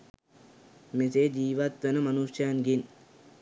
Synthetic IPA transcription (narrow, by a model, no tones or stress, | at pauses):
meseːd͡ʒiːʋɐt̪ʋɐnɐmɐnuʂjaːnɡin